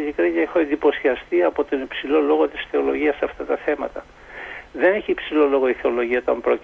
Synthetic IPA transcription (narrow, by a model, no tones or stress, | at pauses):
ʎikɾiɲɐexoe̞nd̪ipo̞siɐst̪iɐpo̞t̪o̞nipsilo̞lo̞ɣo̞t̪i̥sθe̞o̞lo̞ʝiɐsːɐft̪ɐt̪ɐθe̞mɐ̰t̪ɐ | ðe̞neçiːpsilo̞lo̞ɣo̞iθe̞o̞loʝiɐot̪ɐmbɾo̞